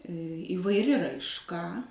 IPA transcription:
iːʋɐɪˈrʲɪ rɐɪʃˈkɐ

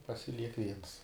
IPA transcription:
pɐsʲɪˈlʲiɛk ˈʋʲiɛns

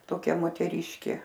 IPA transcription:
toːˈkʲɛ moːtʲɛˈrʲiːʃʲkʲeː

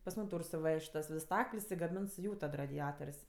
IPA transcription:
pɐs ˈmuːm ˈtuːr sʊˈʋʲɛʃʲtʲ tɐs ˈʋʲɪs ˈstɐklʲsʲ ɪ ɡɐˈmʲɪns ˈjuː tɐt rɐdʲɪˈɑːtoːrʲsʲ

